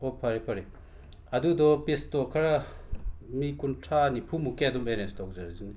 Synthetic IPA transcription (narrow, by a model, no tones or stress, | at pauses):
opʰɐɾipʰɐɾi | ɐdudɔpestɔkʰɐɾa | mikuntʰanipʰumukeɐdumbenestɔk̚zaɾzini